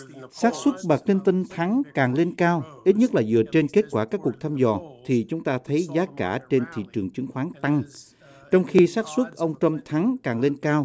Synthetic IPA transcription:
saː˦˥t̚swə˦˥t̚ɓa˨˩k̚li˧ŋt̪i˧ŋt̪ʰa˨˦ŋkaː˨˩ŋle˧nkaː˧wʔi˦˥t̚ɲə˦˥t̚laː˨˩zɨ̰˧˨ət͡ɕe˧nke˦˥t̚kwaː˧˩kaː˦˥kːu˨˩ək̚t̪ʰaː˧mzɔ̰˨˩t̪ʰi˨˩t͡ɕʊ˨˦ŋ͡mt̪aː˧t̪ʰə˨˦jzaː˨˦kaː˧˩t͡ɕe˧nt̪ʰḭ˧˨t͡ɕɨ˨˩əŋt͡ɕɨ˨˦ŋxwaː˨˦ŋt̪a˧ŋ | t͡ɕɔ˧wŋ͡mxi˧saː˦˥t̚swə˦˥t̚ʔə˧wŋ͡mt͡ɕə˧mt̪ʰa˨˦ŋkaː˨˩ŋle˧nkaː˧w

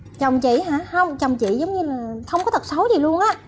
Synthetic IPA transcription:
t͡ɕə˨˩wŋ͡mt͡ɕḭ˧˨ɦa̰ː˧˩˥hə˧wŋ͡mt͡ɕə˨˩wŋ͡mt͡ɕḭ˧˨zə˨˦wŋ͡mɲɨ˧laː˨˩xə˧wŋ͡mkɔ˨˦t̪ʰt̚sə˨˦zi˨˩lu˧ənʔaː˨˧˥

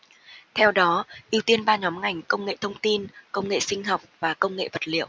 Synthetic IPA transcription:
t̪ʰɛ˧wɗɔ˨˦ʔi˧əwt̪i˧ənɓaː˧ɲɔ˨˦mŋa˨˩jŋ̟kə˧wŋ͡mŋḛ˧˨t̪ʰə˧wŋ͡mt̪i˧nkə˧wŋ͡mŋḛ˧˨sï˧ŋ̟ɦɔ˨˩wk͡p̚vaː˨˩kə˧wŋ͡mŋḛ˧˨və˨˩t̚lḭ˧˨əw

